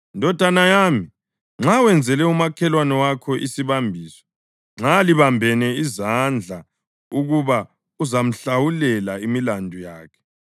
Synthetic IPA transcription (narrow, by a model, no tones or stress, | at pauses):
ndʱɔd̥ʱanajaːmi | ŋ͡ǁawɛnd͡zʱɛlɛumakʰɛlwanɔwakʰɔʔisiβambʱiːsɔ̥ | ŋ͡ǁaliβambʱɛnɛizand͡ɮʱa | uɣuβa | uzam̩ɬawulɛlaimilandʱujaːkʰɛ̥